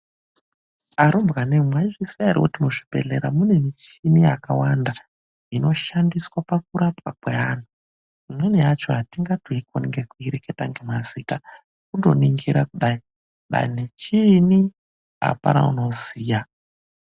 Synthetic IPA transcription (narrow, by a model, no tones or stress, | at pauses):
aɾombɣanemwaiʐisiaɾḭwotinoʐibʱe̞̰ɮeɾamune̞net͡ʃinijakawanda | ino̞ʃandiswapak̚uɾapwakwean̤u | imweneat͡ʃoɦatiŋɡatuikonŋɡekuiɾeketaŋɡemaziːta | kudo̞̰niŋɡiɾakuɗai | ɗa̰inet͡ʃini | a̰pa̰na̰ṵno̞ziːja